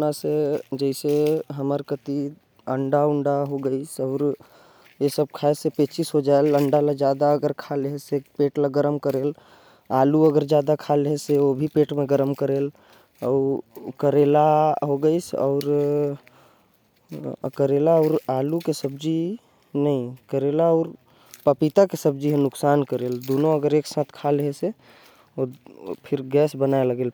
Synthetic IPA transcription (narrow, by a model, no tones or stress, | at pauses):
nased͡ʒəɪseɦəməɾkət̪i | əɳɖaʊ̃ɳɖaɦoɡəisɔːɾ | jesəb̚kʰaesepet͡ʃisɦod͡ʒaeləɳɖalad͡ʒjaːd̪aəɡəɾkʰalɦesepeːʈlaɡəɾəmkəɾeːl | aːluəɡəɾd͡ʒjaːd̪akʰaːlɦeseobʱipeːʈmẽɡəɾəmkəɾeːl | ɔʊɾkəɾelaɦoɡəɪsɔ̰ʊɾ | kəɾelaɔːɾalukesəbd͡ʒi | nəĩkəɾelaɔːɾ | pəpit̪akesəb̚d͡ʒiɦẽnʊksaːnkəɾeːld̪onoəɡəɾeksãt̪ʰkʰalɦese | opʰɪɾɡɛːsbənaeləɡeːl